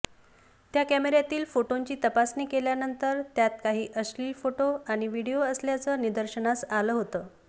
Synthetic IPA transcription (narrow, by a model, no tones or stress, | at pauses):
t̪jakæmeɾjat̪iːlfoʈoɲt͡ɕiːt̪əpasniːkeljanənt̪əɾt̪jat̪̚kaɦiːʔəsliːlfoʈoaɽ̃iʋiɽijoəsljat͡səːnid̪əɾɕənasaləːɦot̪əː